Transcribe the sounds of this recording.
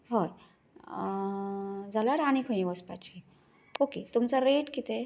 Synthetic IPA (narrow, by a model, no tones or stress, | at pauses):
ɦɔj | d͡zalaɾaɽ̃ikʰə̃ĩʋəspat͡ɕi | oket̪umt͡saɾeʈkit̪e